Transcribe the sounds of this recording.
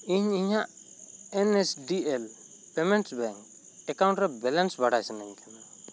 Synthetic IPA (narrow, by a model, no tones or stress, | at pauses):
iɲiɲaʔ | ɛnɛsɖiɛl | pɛmɛnʈsbɛŋk | ɛkaw̃ɳʈɾɛbɛlɛnsbaɽajsanɛɲkʰana